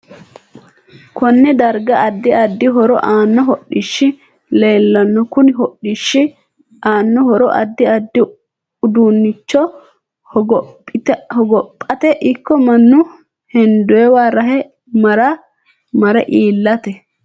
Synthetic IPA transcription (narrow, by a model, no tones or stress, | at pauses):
kɔnːɛd̪ɐɾɡɐːd̪ːɪɐd̪ːɪɦɔɾɔʔaːnːɔɦɔɗɪʃːɪ | le̞ːlːɐnːɔkʊnɪɦɔɗɪʃːɪ | ʔaːnːɔhɔɾɔ̰ʔɐ̰d̪ːɪɐd̪ːɪ | ʊd̪unːɪt͡ʃːɔ | ɔpʼːɪt̪hɔɡɔpʼːɐt̪ɛʔɪkːɔmɐnːʊ | hɛnd̪ʊɛwaːɾɐɦɛ | mɐɾɐ | mɐɾɛʔiːlːɐt̪ɛ